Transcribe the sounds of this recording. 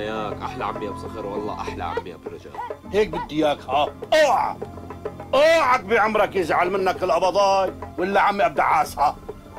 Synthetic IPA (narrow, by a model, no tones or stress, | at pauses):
jaːkʔa̰ħla̰ʕa̰mːijabsˤɑxɪɾwɑlˤːɑ̰ːʔaħla̰ʕa̰mbɪja̰bɪrɪd͡ʒa̰ːlheːk̚bɪd̪ːɪjaːkhaʔoːʕa̰ | ʔoːʕak̚biʕʊmɾˤɑkjɪzʕalmɪnːakɪlʔɑbɑd̪ˤɑːjwɪlːaʕamːiʔab̚d̪a̰ʕaːsha